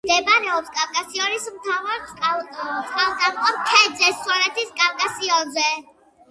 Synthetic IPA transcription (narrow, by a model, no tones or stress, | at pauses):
d̪ɛbaɾɛɔpskʼafkʼasiɔɾismt̪ʰavaɾtʼ | t̪sʼqʼalt̪ʼamqʼɔpkʰɛd̪zɛsːwanɛt̪ʰiskʼavkʼasiɔnzɛ